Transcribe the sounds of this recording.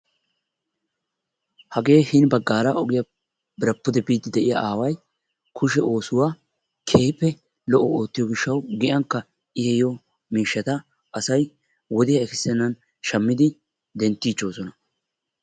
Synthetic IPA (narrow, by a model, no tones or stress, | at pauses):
hɐɡe̞ːhɪnbɐɡːaːɾɐʔɔɡɪjɐ | bɪɾɐpːʊd̪ɛbiːt̪ːɪd̪ɛʔɪjɐʔaːwɐj | kʰʊʃɛo̞ːsʊwaː | kʰeːpːɛ | lɔʔɔo̞ːt̪ːɪjɔɡɪʃːɐwɡɪʔɐŋkːɐ | ɪhɛjɔ | miːʃːɐt̪ɐ | ʔɐsɐj | wɔd̪ɪjɐɛkɪsɛnːɐn | ʃɐmːɪd̪ɪ | d̪ɛnt̪ːiːt͡ʃːo̞ːsɔnɐ